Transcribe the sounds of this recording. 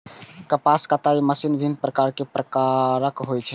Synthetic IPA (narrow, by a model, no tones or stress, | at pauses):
kəpaskət̪aiməsinbʱin̚pɾəkaɾkepɾəkaɾəkɦojt͡ʃʰɛ